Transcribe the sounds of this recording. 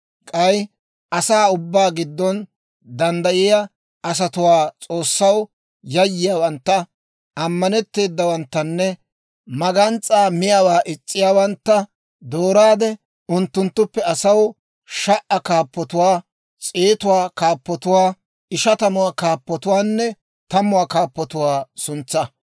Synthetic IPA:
kʼɐj | ʔɐsaːʊbːaːɡɪd̪ːɔn | d̪ɐnd̪ɐʔɪja | ʔɐs̬ɐt̪ʊwaːt͡sʼo̞ːsːɐw | jɐjːɪjaːwɐnt̪ːɐ | ɐmːɐnɛt̪ːe̞ːd̪ːɐwɐnt̪ːɐnːɛ | mɐɡɐnt͡sʼːaːmɪjaːwaːʔɪt͡sʼːɪjaːwɐnt̪ːɐ | d̪oːɾaːd̪ɛ | ʊnt̪ːʊnt̪ːʊpːɛɐsɐw | ʃɐʔɐkaːpːɔt̪ʊwaː | t͡sʼeːt̪ʊwaːkaːpːɔt̪ʊwaː | ɪʃɐt̪ɐmʊwaːkaːpːɔt̪ʊwaːnːɛ | t̪ɐmʊwaːkaːpːɔt̪ʊwaːsʊnt͡sːɐ

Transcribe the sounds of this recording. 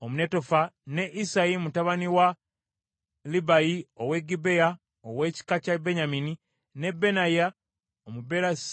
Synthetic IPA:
omune̞to̞fane̞ʔisajimutaβaniwa | libajiowe̞ɡibe̞ja | owe̞ːci̥kacabeɲamini | ne̞bːe̞naja | omubeɾas

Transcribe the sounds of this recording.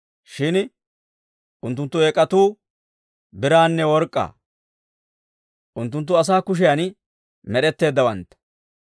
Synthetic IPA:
ʃɪn | ʔʊnt̪ːʊnt̪ːʊɛkʼːɐt̪uː | bɪɾaːnːɛwɔɾkʼːa̰ː | ʔʊnt̪̬ːʊnt̪̬ːʊɐs̬aːkʊʃ̬ɪjan | mɛɗɛt̪ːe̞ːd̪ːɐwɐnt̪ːɐ̥

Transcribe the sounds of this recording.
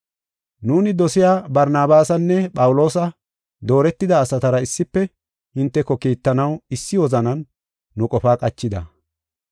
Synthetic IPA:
nuːnɪd̪ɔsɪjaːbɐɾnaːbaːsɐnːɛpʼɐwʊlo̞ːsɐ | d̪o̞ːɾɛt̪ːɪd̪ɐːsɐt̪ɐɾɐɪsːɪpːɛ | ɪnt̪ːɛkɔkiːt̪ːɐnɐwɪsːɪwɔzɐnɐnː | ʊkʼɔfaːkʼɐt͡ʃːɪd̪ɐ

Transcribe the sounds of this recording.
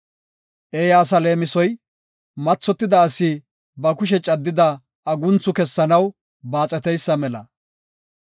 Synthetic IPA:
ʔejaːs̬ɐle̞ːmɪsɔj | mɐt͡sːɔt̪ːɪd̪ɐːsɪ | bɐkʊʃ̬ɛt͡ʃʼɐd̪ːɪd̪ɐ | ɐɡʊnt͡sʊkɛsːɐnɐw | baːt͡sʼɛt̪ɛjsːɐmɛlɐ̰

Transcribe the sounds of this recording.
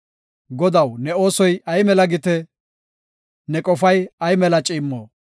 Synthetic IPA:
ɡɔd̪ɐwnɛo̞ːsɔjɐjmɛlɐɡɪt̪ɛ | nɛkʼɔfɐjɐjmɛlɐt͡ʃʼɪːmːoː

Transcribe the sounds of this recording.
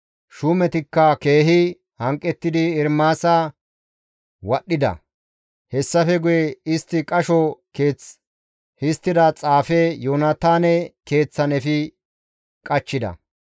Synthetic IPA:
ʃʊmɛt̪ɪkːɐke̞ːɦɪ | hɐŋkʼːɛt̪ːɪd̪ɪːɾmaːsaː | wɐɗːɪd̪ɐ̰ | hɛsːɐfɛɡʊjɛɪst̪ːɪkʼɐʃɔkeː | hɪst̪ːɪd̪ɐt͡sʼaːfɛjoːnɐt̪aːnɛke̞ːt͡sːɐnɛfɪ | kʼɐt͡ʃːɪd̪ɐ̰

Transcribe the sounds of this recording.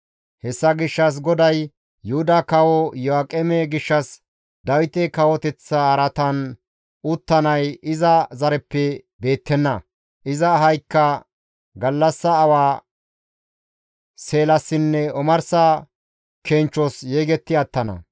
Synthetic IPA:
hɛsːɐɡɪʃːɐs̬ɡɔd̪ɐj | jʊhʊd̪ɐkɐwɔjɔakʼɛmɛɡɪʃːɐs | d̪ɐwɪt̪ɛkɐwɔt̪ɛt͡sːɐɐɾɐt̪ɐn | ʊt̪ːɐnɐjɪzɐzɐɾɛpːɛ | be̞ːt̪ːɛnːɐ | ʔɪzɐɦɐjkːɐ | ɡɐlːɐsːɐːwaː | se̞ːlɐsːɪnːɛɔmɐɾsɐ | kent͡ʃːɔsjeːɡɛt̪ːɪɐt̪ːɐnɐ̰

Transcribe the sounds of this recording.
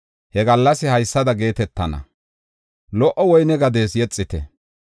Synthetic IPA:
hɛɡɐlːɐsɪhɐjsːɐd̪ɐɡe̞ːt̪ɛt̪ːɐnɐ̰ | lɔʔɔwɔjnɛɡɐd̪e̞ːsjɛt͡sʼːɪt̪ɛ

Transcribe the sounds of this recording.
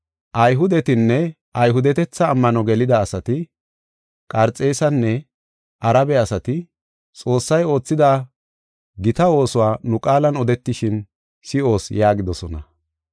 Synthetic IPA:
ʔɐjɦʊd̪ɛt̪ɪnːɛ | ɐjɦʊd̪ɛt̪ɛt͡sːɐːmːɐnɔɡɛlɪd̪ɐːsɐt̪ɪ | kʼɐɾt͡sʼe̞ːsɐnːɛ | ʔɐɾɐbɛɐsɐt̪ɪ | t͡sʼo̞ːsːɐjo̞ːt͡sːɪd̪aː | ɡɪt̪ɐo̞ːsʊwaːnʊkʼaːlɐnɔd̪ɛt̪ːɪʃɪn | sɪo̞ːsjaːɡɪd̪ɔsɔnɐ

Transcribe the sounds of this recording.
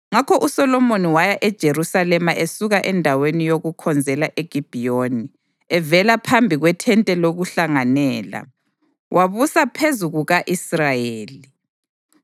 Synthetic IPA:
ŋakʰɔʔusɔlɔmoniwajaʔɛd̥ʒ̥ʱeɾusalɛmaʔesuɣaʔɛndʱawenijoɣukʰɔnd͡zʱɛlaʔeɡ̥ʱib̥ʱijoːni | ɛvɛlapʰambʱiɣwɛtʰɛntʼɛloɣuɬaŋanɛːla̰ | wʔaβusapʰezuɣuɣaʔisrajeːli

